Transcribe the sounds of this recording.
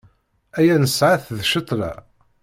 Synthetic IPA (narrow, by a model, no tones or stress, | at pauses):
æjænəsʕaθðʃət̪ˤlæ̰